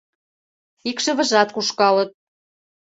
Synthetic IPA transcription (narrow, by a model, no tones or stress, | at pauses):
ikʃə̆βə̆ʒɑt̪kuʃkɑlət̪̚